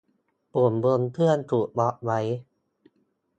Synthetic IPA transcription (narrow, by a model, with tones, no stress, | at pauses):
pu˨˩əmbo˧nt̪ʰɯ˥˩ənt̪ʰuː˨˩t̚bɔ˦˥ʔwa˦˥j